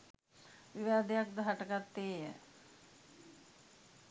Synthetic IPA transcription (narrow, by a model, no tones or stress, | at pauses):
ʋiʋaːd̪ejak̚d̪əɦaʈəkat̪ːeːjə